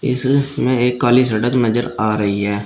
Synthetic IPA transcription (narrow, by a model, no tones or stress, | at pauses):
ɪ̰smẽːeːkːaːliːsəɖət̪nəd͡ʒəɾaːɾəiːɦɛː